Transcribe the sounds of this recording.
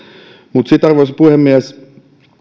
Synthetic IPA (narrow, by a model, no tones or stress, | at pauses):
mut̪sit̪ɑrʋoisepuhemːiæs